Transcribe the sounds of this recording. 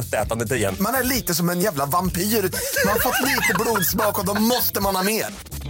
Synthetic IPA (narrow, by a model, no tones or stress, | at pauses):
t̪ɛ̰ːt̪and̪ət̪ʰɪɛ̰nmanæɭiːt̪əsɔmɛnjæːvlavampiːɾʉːt̪manhaɾfɔt̪ːliːt̪əbluːd̪smɑːkɔd̪ɔmɔst̪əmanhɑːmeːɾ